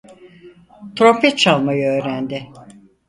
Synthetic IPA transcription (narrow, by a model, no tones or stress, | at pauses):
t̪ʰɾo̞mpʰɛt̪̚t͡ʃʰalˠmajaøːɾænd̪ɪ